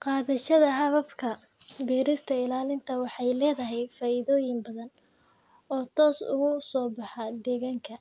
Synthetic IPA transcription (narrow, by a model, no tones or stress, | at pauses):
qɑːðɐʃɐðɐɦɑβɐbkʰɐ | biːɾɪst̪ʰɐɪlaːlɪnt̪ʰɐwɑħɑjlɛːðɐɦɛjfaːɪðɔːjɪmbɐðɐn | ɔːt̪ʰɔːsʊ̰ɣʊsɔːbɑħɑd̪ɛːɣaːŋkʰɐ